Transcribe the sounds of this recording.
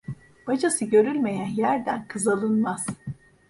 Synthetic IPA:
b̥ad͡ʒasɯɟø̞ɾylʲme̞jænjæɾd̪ænkʰɯzalˠɯnmaz̥

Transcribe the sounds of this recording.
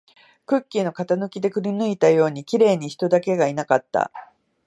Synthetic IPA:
kɯ̟kʲːino̞kat̪anɯ̟kʲid̪e̞kɯ̟ɾʲinɯ̟it̪ajo̞ːɲ̟ikʲiɾe̞ːɲ̟içi̥t̪o̞d̪ake̞ɡainakat̪ːa̰

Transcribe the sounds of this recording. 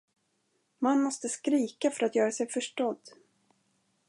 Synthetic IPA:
manmɔst̪əskɾiːkafœɾat̪jœːɾasɛjfœʂʈɔd̪ː

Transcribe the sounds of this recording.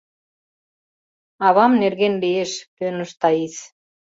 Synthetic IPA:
ɑβɑmnerɣenlieʃpønə̆ʃt̪ɑis

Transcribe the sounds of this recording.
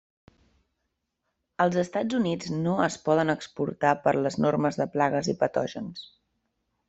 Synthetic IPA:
əlˠzəst̪ad͡zunid͡znoəspɔðənəkspṵɾt̪apəɾləznoɾməzðəplaɣəzipət̪ɔʒəns

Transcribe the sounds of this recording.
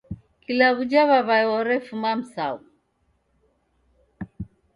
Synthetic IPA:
kilaβud͡ʒaβaβaɛwɔɾɛfumam̩sa̰u

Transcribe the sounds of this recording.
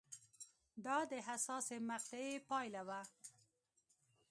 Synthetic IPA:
d̪ɑd̪əɦasɑsemaq̚t̪ɪepɑjlawa

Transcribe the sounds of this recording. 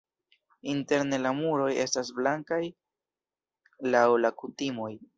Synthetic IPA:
inte̞ɾne̞lamuɾo̞je̞stasblaŋkaj | lawlakutimo̞j

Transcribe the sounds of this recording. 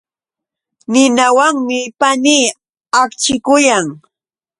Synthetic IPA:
nɪnawaŋmɪpaniː | akt͡ʃɪkʊjaŋ

